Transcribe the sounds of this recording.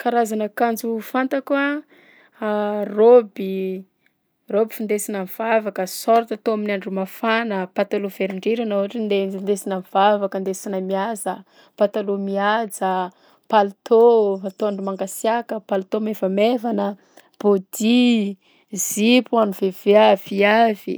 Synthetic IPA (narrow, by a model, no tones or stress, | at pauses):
kaɾazanəkand͡ʒufant̪akwa | robi | robifind̪esinəv̥avakəsoɾt̪at̪oaminaɳɖ͡ʐumafanəpat̪alov̥eɾiɳɖ͡ʐeɾanauaʈ͡ʂind̪eind̪esinəv̥avakənd̪esinəmiazə | pat̪alumiad͡zə | palut̪ovat̪oaɳɖ͡ʐumaŋɡasjakəpalt̪omevəmevanə | b̥od̪i | zipuanuveveaviavḭ